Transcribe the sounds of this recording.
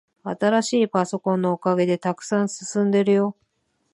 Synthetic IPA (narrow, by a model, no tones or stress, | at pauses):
at̪aɾaɕiːpaso̞kõ̞nːo̞okaɡe̞d̪e̞t̪akɯ̟̥sãɰ̃sɨ̥sɨ̃nd̪e̞ɾɯ̟jo̞